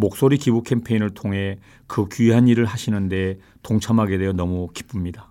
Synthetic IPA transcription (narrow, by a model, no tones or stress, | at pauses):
mok̚s͈oɾikibukʰe̞mpʰeinɯɭtʰoŋɦe̞ | kɯkyɦaniɾɯɭɦaɕʰinɯnde̞ | toŋt͡ɕʰamɦaɡe̞dejʌnʌmuki̥p͈umɲida